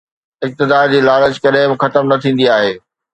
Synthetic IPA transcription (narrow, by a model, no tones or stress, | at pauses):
ɪk̚t̪ɪd̪aːɾd͡ʑiːlaːləd͡ʑkɐɗɦɪ̃bɪxɐt̪əmnɐt̪ʰĩːnd̪iaːɦeː